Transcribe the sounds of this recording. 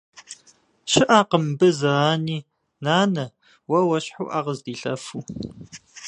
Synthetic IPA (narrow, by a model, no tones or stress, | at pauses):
ɕɪʔaːqəmbɨzɐʁaːniː | naːnɐ | wɐwɐɕħṵːʔaːʁəzdiːɬɐ̰fuː